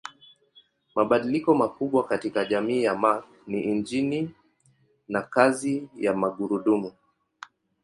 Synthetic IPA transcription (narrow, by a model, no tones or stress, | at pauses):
maɓaɗilikɔmakuɓwakatikaʄamiːjamak | niʔind͡ʒini | nakazijamaɠuɾuɗumu